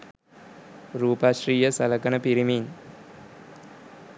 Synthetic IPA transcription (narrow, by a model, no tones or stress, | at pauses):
ɾuːpaːʃriːjəsɐlɐkɐnəpiɾimin